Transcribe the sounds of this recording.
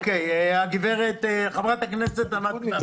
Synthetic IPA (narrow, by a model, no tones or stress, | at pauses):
kejaɡiveʁet̪χavʁat̪aknɛset̪ana